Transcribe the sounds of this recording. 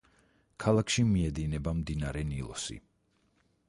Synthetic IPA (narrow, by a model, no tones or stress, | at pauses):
kʰalˠakʃimiɛd̪inɛbamd̪inaɾɛnilˠɔ̰sḭ